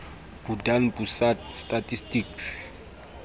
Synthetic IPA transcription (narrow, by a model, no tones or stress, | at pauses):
b̥udanbusatstʼatʼistiks